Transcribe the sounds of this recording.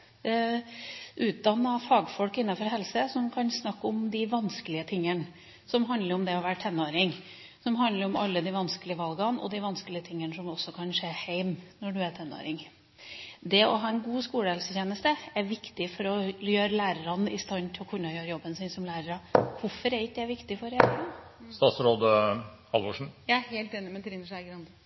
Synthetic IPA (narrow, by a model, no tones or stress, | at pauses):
ʔʉːt̪̚d̪ɑnːɑfɑːɡfɔlkɪnːɑfɔɾɦɛlsəsɔmkʰɑnsnɑkːɔmd̪ɪʋɑnskəlɪət̪ʰɪŋːən | sɔmɦɑnd̪ləɾɔmd̪ɛɔʋæːʈʰɛnːoːɾɪŋ | sɔmɦɑnd̪ləɾɔmɑ̰lːəd̪ɪʋɑnskəlɪəʋɑlɡɑnɔ̰d̪ɪʋɑnskəlɪət̪ʰɪŋːənəsɔmɔsːɔkʰɑnʂeːhæɪmnɔɖʉæʈ̪ʰɛnːo̰ːɾɪŋ | d̪ɛɔɦɑːɛnɡuːskuːləɛlsəçjeːnəst̪əæɾʋɪkt̪ɪfɔɾɔjøːɾəlæːɾəɾɑnɪst̪ɑnːt̪ʰɪlɔkʰʉnːɑjøːɾəjɔbːənsɪːnsɔmlæːɾəɾɑʋʊɾfɔɾɛɾɪkd̪ɛæʋɪkt̪ɪfɔɾæləɾɑnst̪ɑːt̪sɾoːd̪ə | hɑlʋoʂ̩jæheɪlt̪eːnɪmɛnt̪ʰɾɪnːəʂæɡɾɑnd̪ə